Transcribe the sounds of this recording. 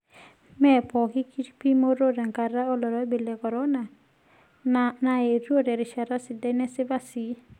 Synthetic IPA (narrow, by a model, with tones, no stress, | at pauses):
mɛ˦˨pɔ˨kɪ˦ki˦tpi˦mo˦ɾo˦ɾa˨ŋka˨ɾa˦o˦lɔ˨ɾɔ˦bi˨lɛ˨kɔ˨ɾɔ˦na˨ | nae˨ɾo˦ɾɛ˨ɾɪ˨ʃa˨ɾa˦sɪ˨dɛ˦nɛ˦sɪ˦ba˦si˨